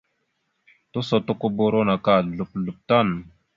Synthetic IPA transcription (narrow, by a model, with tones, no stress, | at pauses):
to˦so˨to˦ku˦bo˦ɾo˦na˨ka˦˨ɮu˨p̚lu˨p̚ta˦˨n